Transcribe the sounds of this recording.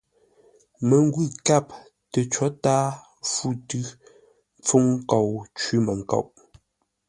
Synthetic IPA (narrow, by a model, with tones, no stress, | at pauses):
mə˨ŋ˦ɡwʉ˦˨ka˦˨p̚ | tə˨t͡ʃɔ˨˦taː˦ | fu˦˨tʉ˦ | mp͡fo˦ŋ˦kɔ˨wt͡ʃi˦mə˨ŋ̩˨kɔ̰˨wʔ